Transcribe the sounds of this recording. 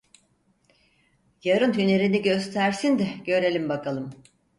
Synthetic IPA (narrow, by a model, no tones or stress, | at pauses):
jaɾɯnhyne̞ɾiniɟø̞st̪ʰæɾsind̪ɛɟø̞ɾe̞lʲimbakʰalˠɯm